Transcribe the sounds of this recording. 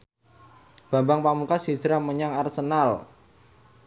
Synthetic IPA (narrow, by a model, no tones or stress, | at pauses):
b̥a̤mbaŋpamukasisɾahməɲaŋarsənal